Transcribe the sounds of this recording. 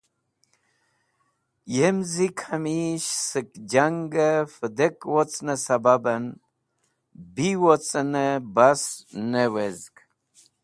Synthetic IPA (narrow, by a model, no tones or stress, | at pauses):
jemzikʰamiɕsɨkd͡ʒaŋɡəfəd̪ekwot͡snəsababɐn | biwot͡sənəbasnewezɡ